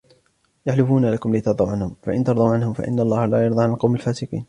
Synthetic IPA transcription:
jaħlɪfuːnalakʊmlɪt̪ɑɾˤd̪ˤɑwʕanhʊmfaʔɪnt̪ɑɾˤd̪ˤɑwʕanhʊmfa̰ʔɪ̰nːalˤːɑːhalaːjɑɾˤd̪ˤɑʕanalqɑwmalfaːsɪqḭːn

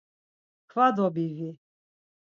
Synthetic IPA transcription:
kʰvad̪ɔbivi

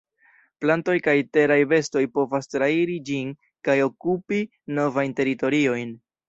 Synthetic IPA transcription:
planto̞jkajte̞ɾajve̞sto̞jpo̞vastɾaiɾid͡ʒin | kajo̞kupi | no̞vajnte̞ɾito̞ɾio̞jn

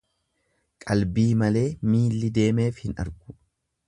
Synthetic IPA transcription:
kʼɐlbiːmɐle̞ːmiːlːɪd̪e̞ːme̞ːfhɪnɐ̰ɾɡʊ̥

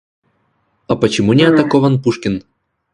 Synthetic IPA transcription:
ɐpət͡ɕɪmunʲɪɐt̪ɐkovɐnpuʂkʲɪn

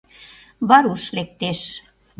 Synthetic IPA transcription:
βɑɾuʃlek̚t̪eʃ

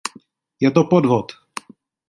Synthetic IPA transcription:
jɛt̪opodvot̪

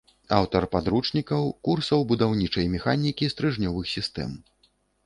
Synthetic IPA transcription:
awt̪ɐrpad̪ɾut͡ʂnʲikɐwkursɐwbud̪awnʲit͡ʂɐjmʲɛxanʲikʲist̪ɾɨʐnʲɔvɨxsʲist̪ɛ̰m

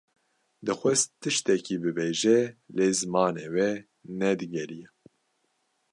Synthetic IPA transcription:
d̪ɨxʷɛst̪ʰɨʃt̪ɛkibɨbeːʒɛleːzɨmɑːneːwɛ | nɛd̪ɨɡɛɾijɛ

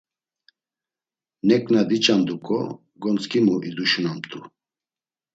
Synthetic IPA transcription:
nɛkʼnad̪it͡ʃʼand̪ukʼɔ | ɡɔnt͡sʼkʰʼimuʔid̪uʃunamt̪ʼu

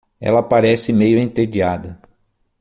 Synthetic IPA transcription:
ɛ̰lɐpaɾɛsɪmejʊẽnt̪ed͡ʒiad̪ɐ

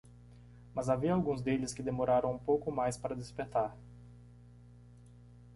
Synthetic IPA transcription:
mɐzaviɐawɡũzd̪elɪskɪd̪emoɾaɾɐ̃w̃ũpowkʊmajspaɾɐd̪espeɾt̪aɾ

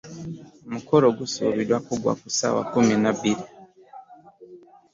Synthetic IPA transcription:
mukoɾoɡusṵβidwakuɡwa̰kusa̰wa̰kuminaβiɾi

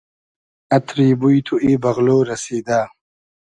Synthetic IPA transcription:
ɐt̪ʰɾiːbujt̪ʰuiːbɐɣloːɾɐsiːd̪aː

